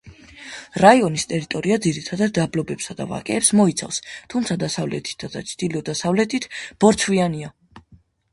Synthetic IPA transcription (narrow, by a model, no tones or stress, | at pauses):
ɾaiɔnist̪ʼɛɾit̪ʼɔɾiad̪ziɾit̪ʰad̪ad̪ːablɔbɛpsad̪a̰va̰kʼɛːpsmɔit̪sʰa̰fst̪ʰumt̪sʰad̪asavlɛ̰t̪ʰi̥t̪̚ʰd̪ad̪at͡ʃʰd̪̥iliɔd̪asavlɛt̪ʰʼit̪ʰb̥ɔɾt̪sʰviania